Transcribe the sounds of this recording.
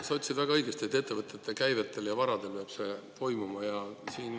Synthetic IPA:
sɑot̪ʲsid̪væɡ̥ɑɤjɡ̥est̪iet̪ːe̞t̪ːe̞vɤt̪ːˑet̪ːˑekæjvet̪ːˑe̞ljɑvɑɾɑd̪̥e̞lpeɑb̥se̞t̪o̞jmumɑjɑsiːn

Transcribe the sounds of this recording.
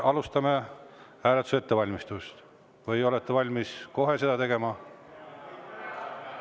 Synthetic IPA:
ʔɑlust̪ɑme̞ | æːlet̪use̞t̪ːe̞vɑlʲmist̪ust̪ | vɯjo̞let̪ːevɑlʲmisko̞ɦe̞se̞d̪ɑt̪eɡ̥e̞mɑ

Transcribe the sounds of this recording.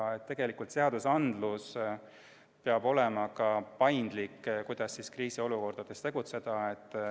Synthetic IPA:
et̪ːe̞ɡ̥e̞likult̪se̞ɑd̪̥usɑnd̪̥lus | peɑbo̞le̞mɑkɑpɑjnd̪̥likːkujd̪̥ɑsːiskriːsio̞luko̞rd̪̥ɑd̪̥e̞st̪e̞ɡ̥ut̪se̞d̪̥ɑet̪ˑː

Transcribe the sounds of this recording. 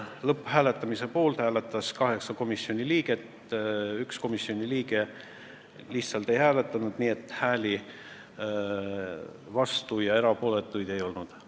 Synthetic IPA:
lɤpːhæːle̞t̪ːˑɑmise̞po̞ːlt̪hæːlet̪ːˑɑskɑɦe̞ksɑko̞misːio̞nʲiliːɡ̥e̞t̪ | yksko̞misːio̞nʲiliːɡe̞ | liht̪sɑlt̪e̞jhæːle̞t̪ːˑɑnud̪̥niːe̞t̪ːˑhæːli | vɑst̪ujɑe̞ɾɑpo̞ːle̞t̪ːˑujd̪̥e̞jo̞lnud̪̥

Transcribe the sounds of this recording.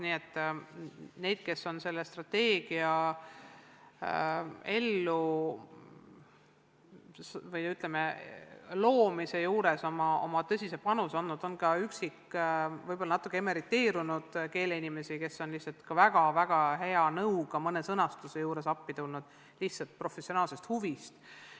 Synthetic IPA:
niːe̞t̪ː | ne̞jd̪̥ke̞sːo̞nse̞lːest̪rɑt̪e̞ːɡ̥iɑ | e̞lːu | svɤjyt̪ˑleme | lo̞ːmise̞juːɾe̞so̞mɑo̰mɑt̪ɤsʲise̞pɑnusonːud̪̥o̞nkɑyksikːvɤjbo̞lːɑnɑt̪ːˑukːˑeemeɾit̪ːˑe̞ːɾunud̪̥ke̞ːleinime̞sike̞so̞nlihtsɑlt̪kɑvæɡ̥ɑvæɡ̥ɑɦe̞ɑnɤukɑmɤnesɤnɑst̪use̞juːɾe̞sɑpːit̪ulnud̪̥̚ | lihtsɑlt̪̚pro̞fe̞sio̞nɑːlse̞st̪huvist̪

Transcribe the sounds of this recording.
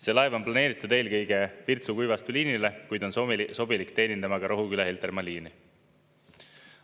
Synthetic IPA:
se̞ːlɑevo̞nplɑne̞ːɾit̪ːˑud̪e̞ːlkɤjɡ̥e̞pirt̪sukujvɑst̪uliːnilekujd̪̥o̞nsso̞bilikt̪e̞ːnind̪̥ɑmɑɡ̥ɑɾo̞ɦukylɑhelt̪ermɑliːni

